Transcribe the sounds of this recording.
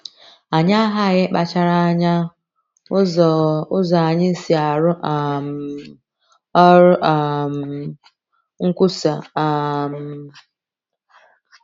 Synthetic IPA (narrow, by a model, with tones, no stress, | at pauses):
a˨ɲa˦ɦa˦ɣɪ˦k͡pa˦t͡ʃa˦ɾa˦ɲa˦˨ | ʊ˦zɔ˨a˨ɲɪ˦si˨a˨ɾʊ˦ʔa˨m | ɔ˦ɾʊ˦ʔa˨m˨ | ŋ̩˦kʷu˦sa˨a˨m